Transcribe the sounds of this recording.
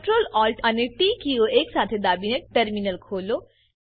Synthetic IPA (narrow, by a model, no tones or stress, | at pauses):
ʈɾoːlɔːlʈɐneʈiːkioʔeːksaːt̪ʰed̪aːbinek̚ʈəɾminəlkʰoːloː